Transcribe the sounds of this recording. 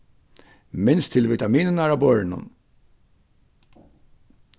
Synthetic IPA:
mɪnst̪ʰːɪlvɪt̪amiːnənæɾabœɹnʊ̰n

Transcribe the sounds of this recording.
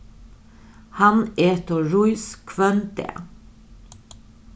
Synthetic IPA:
hɑneːt̪ɔɹuʏskʰʋœnt̪ḛ

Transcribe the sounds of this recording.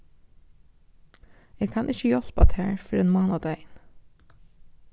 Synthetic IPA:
eːɡkʰɑːnʔɪçəjɔlpɑt̪ʰæ̰ːɹfɔɾeːnmɑːnɑd̪æɪn

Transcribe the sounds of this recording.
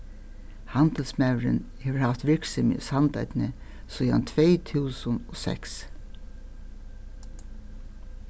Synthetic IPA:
hant̪əlsmɛwɾɪ̰nheːʋəɹhaft̪ʋɪɹksɪmɪ̰shant̪a̰jt̪nɪ | suja̰nt̪ʰveːjt̪ʰuːsʊnɔsɛ̰ks

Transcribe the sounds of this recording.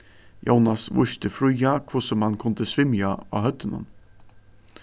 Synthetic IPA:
jo̰wnasʋʊ̰ʃt̪əfɾujakʰvʊsɔmhankʰʊnd̪əsʋɪmjaɑ̰hœt̪ːənə̰n

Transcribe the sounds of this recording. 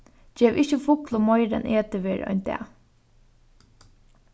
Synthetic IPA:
d͡ʒeːʋɪçəfʊklʊmɔjɾɛ̰nʔeːt̪əʋeːɾʔɔ̰ʏnt̪ɛ̰

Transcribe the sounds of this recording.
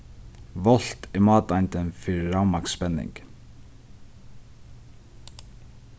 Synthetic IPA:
ʋɔl̥t̪ɪmɑːt̪ajnt̪ənfiːɾɹawmakspɛnːɪ̰ŋk

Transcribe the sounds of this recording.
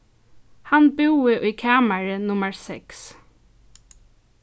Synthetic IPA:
hanbɪwɪʔʊjkʰaːmaɹənʊməɹsɛks

